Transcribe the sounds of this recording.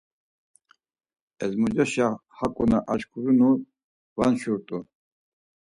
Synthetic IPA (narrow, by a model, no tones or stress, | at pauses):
ɛzmud͡ʒaʃahakʼunaʔaʃkʰuɾunu | vanʃuɾt̪ʼu